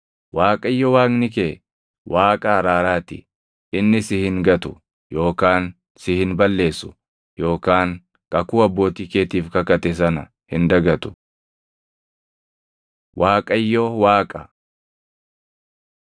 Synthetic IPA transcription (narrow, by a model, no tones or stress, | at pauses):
waːkʼɐɪjːɔwaːknɪkeː | wʔaːkʼɐɐɾaːɾaːt̪ɪ̰ | ɪnːɪsɪhɪŋɡɐt̪ʊ | jo̞ːkaːn | sɪhɪnbɐlːe̞ːsʊ̥ | jo̞ːkaːŋ | kʼɐkuːɐbːo̞ːt̪ɪkeːt̪iːfkɐkɐt̪ɛs̬ɐnɐ̰ | hɪnd̪ɐɡɐt̪ʊ̥ | waːkʼɐɪjːɔwaːkʼɐ